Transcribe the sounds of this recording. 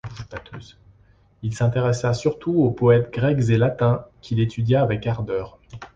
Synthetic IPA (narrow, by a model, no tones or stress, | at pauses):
bat̪ʰø̰ːz | ilsɛ̃t̪eʁɛsasyʁt̪ʰuopɔɛt̪ɡʁɛkzelat̪ɛ̃kʲʰilet̪ʰyd̪jaːvɛkaʁd̪œːʁ